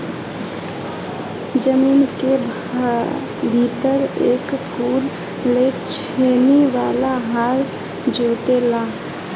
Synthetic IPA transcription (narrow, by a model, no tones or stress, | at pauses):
d͡ʒəmiːnke | bʱit̪əɾeːkkuːɾ | let͡ʃʰeneʋaːlaɦaɾ | d͡ʒot̪elaː